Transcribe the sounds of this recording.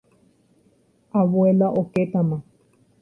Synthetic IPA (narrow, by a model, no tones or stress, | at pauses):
aβoelaʔoket̪ãmã